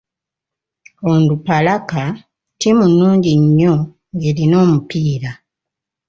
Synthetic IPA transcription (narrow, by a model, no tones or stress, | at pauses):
ondupalaka | timunːuːɲɟiɲːo̞ | ŋe̞lino̞ːmupiːɾa